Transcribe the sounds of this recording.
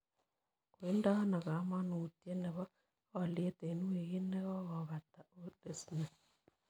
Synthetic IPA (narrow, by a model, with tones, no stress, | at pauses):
ko˨i˦nda˦ɔ˦na˨ɣa˨˦ma˦nu˨tje˦ne˨βɔ˦ | ɔ˦lje˦te˨nu˦eɣi˦ne˦ɣɔ˦ɣɔ˨βa˨ta˨ote˦sinɛ˨